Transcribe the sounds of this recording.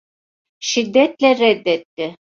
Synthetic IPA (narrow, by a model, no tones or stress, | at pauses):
ʃid̪ːɛt̪lʲɛɾɛd̪ːɛt̪ːɪ